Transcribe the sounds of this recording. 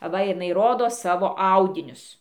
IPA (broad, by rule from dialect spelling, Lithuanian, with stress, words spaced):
ɐˈʋɐ jɪˈnɐɪ ˈroːdoː ˈsɑːʋoː ˈɐʊdʲɪnʲʊs